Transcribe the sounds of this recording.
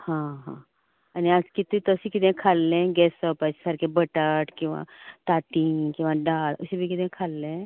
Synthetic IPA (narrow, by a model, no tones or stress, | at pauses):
hãːɦãː | ɐniad͡ʒkit̪it̪oʊsikɪd̪ẽkʰaːlːẽɡɛːsəpət͡ʃsɐɾkebəʈəʈkiʋã̰ːt̪aːʈiːkɪ̃ʋãɖaːlʊsibʱikɪd̪ẽkʰaːlːẽ